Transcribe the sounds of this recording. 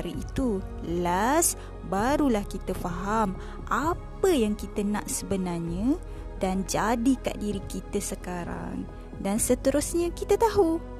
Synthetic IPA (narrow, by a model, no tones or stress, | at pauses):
ɾiit̪u | las | baɾulahkit̪əfaɦam | ʔapəjaŋkit̪ənã̰ʔsəbənarɲə̃ | dand͡ʒadika̰ʔdiɾikit̪əsəkaɾa̰ŋ | dansət̪əɾusɲə̃kit̪ət̪aɦu